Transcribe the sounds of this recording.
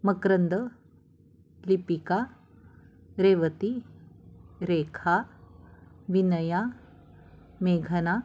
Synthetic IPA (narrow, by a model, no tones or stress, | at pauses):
mɐkɾənd̪ə | lipika | ɾeːʋət̪i | ɾeːkʰa | ʋinɐja | meːɡʱɐna